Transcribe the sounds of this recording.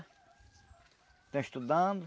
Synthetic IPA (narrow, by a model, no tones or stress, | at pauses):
t̪ẽʃt̪ud̪ãnd̪ʊ